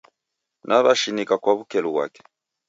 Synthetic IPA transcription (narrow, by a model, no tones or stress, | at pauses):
nʔaβaʃinikakwaβukɛluβwa̰kɛ̥